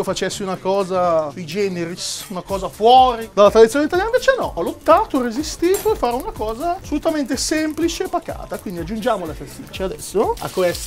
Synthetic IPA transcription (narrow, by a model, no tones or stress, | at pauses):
ofat͡ʃɛsːiunakɔːzasujd͡ʒɛneɾisunakɔːzafwɔːɾid̪alat̪ɾad̪it̪sjonit̪aljanĩveːt͡ʃenɔʔɔlot̪ːaːt̪orezist̪iːt̪oefːaːɾunakɔːzaasːolut̪ament̪esɛmplit͡ʃeːpːaka̰ːt̪akwind̪iad͡ʒːund͡ʒaːmolafast̪it͡ʃːead̪ɛ̰sːoa̰kːwɛst